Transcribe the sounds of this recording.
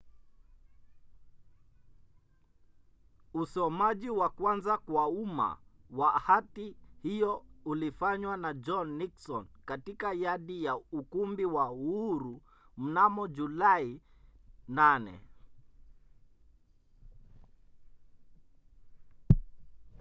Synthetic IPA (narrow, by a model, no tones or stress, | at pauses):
usɔmaʄiwakwanzakwauma̰wahatihijɔulifaɲwanad͡ʒɔnːiksɔnkatikajaɗijaukumbiwauuɾu | m̩namɔʄulai | nanɛ̰